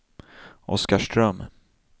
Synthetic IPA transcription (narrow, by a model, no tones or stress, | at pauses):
ʔɔ̰skaʂʈɾœm